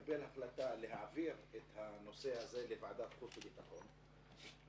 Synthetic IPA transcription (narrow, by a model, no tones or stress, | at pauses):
belhaχlat̪ale̞ɦaʕaviʁet̪hano̞se̞haze̞levaʕad̪at̪χufbebit̪aχo̞n